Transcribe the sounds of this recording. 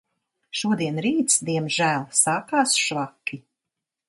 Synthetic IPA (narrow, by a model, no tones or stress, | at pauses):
ʃuɔd̪iɛnɾiːt̪sd̪iɛmʒæːlˠsaːkaːsʃvakʲːi